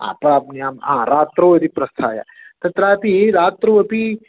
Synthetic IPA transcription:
a̰ːpəɽapniaːmãɾaːt̪ɾoːed̪ipɾɐst̪ʰaːja̰ | t̪ɐt̪ɾapiɾaːt̪ɾoɐpi

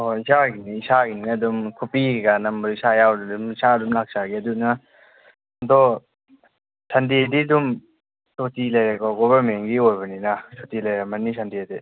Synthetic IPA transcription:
ɔisaɡiniːsaɡininaɐdumkʰupiɡanɐmbɾisajawdadumisadumlak̚saɡiɐdunna | ɐdɔ | sʰandiadiɐdum | sotilɐjɾakɔɡɔβɐɾmeŋɡiojbɐninasotilajɾamɐnːisʰandiade

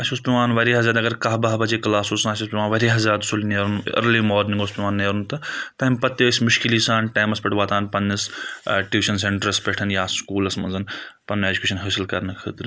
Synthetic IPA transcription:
ɐʃuspʲiʋãːnʋɐɾiːɦɐzʲaːd̪ɐɡɐɾkaɦbɐɦbɐt͡ʃeːklaːsoːsanɐʃʰuspʲiʋaːnʋɐɾiːɦɐzʲaːd̪sulneɾnɐ̰ɾliːmoːɾnĩŋɡoːspiʋaːnːeːɾunt̪ɐt̪ɐimpɐt̪ːesʲmʊʃkiliːsãːnʈaːmɐspʲɐʈʰʋaːt̪aːnpɐnːɐsʈiːʋiʃɐnseɳʈɐɾɐspʲeːʈʰɐnjaːskuːlɐsmɐnzɐnpɐneːd͡ʒukʲeːʃɐnɦəːsilkɐɾnɐkʰə̰ːt̪ɾ

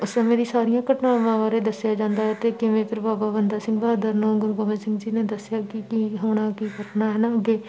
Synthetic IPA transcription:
ʊsemeːɾisaːɾijãːkəʈnãːʋãːʋaːɾed̪əsjad͡ʒãːnd̪aɦɛt̪ekimẽːp̪ɪɾbaːbaːʋənd̪asɪ̃ŋɡbaːd̪əɾnoːɡʊɾɡoːmẽsɪ̃ŋɡd͡ʒiːned̪əsjakikiɦoːɽ̃akiɡəʈnaɦɛnaɡe

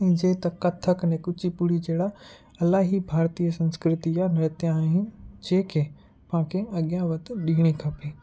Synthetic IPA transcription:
ĩd͡ʑeːt̪ɐkɐt̪ʰəknɛ̃kʊt͡ʃʰipʊɽid͡ʑeːɽa | ɐlaːɦibʱaːɾt̪ijəsɐ̃nskɾɪt̪ijanɐt̪jãɦĩd͡ʑẽːkʰeː | pɐãkʰeɐɠjãʋɐt̪ɗiːɽ̃ikʰɐpeː

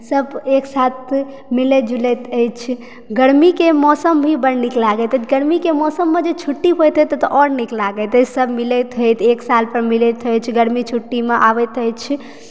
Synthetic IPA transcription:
səbeksat̪ʰ | milɛd͡ʒulɛt̪əjt͡ʃʰ | ɡəɾmikemɔsəmbʱibəɾniklaɡət̪ət̪ʰɡəɾmikemɔsəmːed͡ʒet͡ʃʰuʈːiɦojt̪ɦət̪t̪ɔʔɔɾniklaɡət̪ət͡ʃʰsəbmilət̪ɦəjt̪ʰeksalpəɾmilɛt̪əjt͡ʃʰɡəɾmit͡ʃʰuʈːimeʔa̰ʋət̪əjt͡ʃʰ

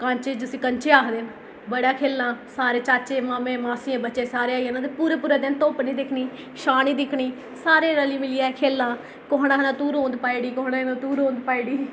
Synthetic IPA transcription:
kãːɲt͡ʃeːd͡ʒʊsĩːkəɲt͡ʃeːaːkʰd̪eːn | bəɽaːkʰeːlnãːsaːɾeːt͡ʃaːt͡ʃeːmaːmẽːmaːsiãːbətːt͡ʃeːsaːɾeːaːiãːnãːt̪epuːɾeːpuːɾeːd̪ɪnt̪oːpniːd̪ɪkʰniː | ʃaːniːd̪ɪkʰɽiː | saːɾeːɾəliːmɪlijaːɛkʰeːlːaː | koɦnãːkːnãːt̪uːɾɦõːnd̪paːiɽiːkoɦnaːnãːt̪uːɾɦõːnd̪paːiːɽiː

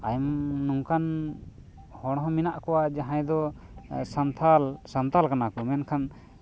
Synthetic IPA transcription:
ajmːuŋkʰan | hɔɽ̃ɦɔ̃minaʔkɔwad͡ʒaɦãjd̪ɔ | sant̪ʰalsant̪alkanakɔmɛnkʰan

